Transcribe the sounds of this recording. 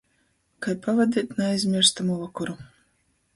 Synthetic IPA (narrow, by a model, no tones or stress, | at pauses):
kajpavad̪ʲiːt̪ʲnaajzʲmʲiɾst̪amuvakɔɾu